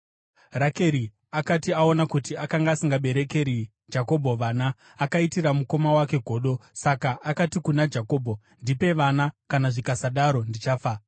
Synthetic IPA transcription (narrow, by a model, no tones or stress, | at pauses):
rake̞ɾi | akatiao̞nakutiakaŋɡaːsiŋɡaɓe̞ɾe̞ke̞ɾi | d͡ʒako̞bʱo̞ʋanaː | kaitiramuko̞mawake̞ɡʱo̞ːɗo̞sakaʔakatikunad͡ʒako̞ːbʱo̞ | ndipe̞ʋanakanaʐikasaɗaɾo̞ndit͡ʃaːfa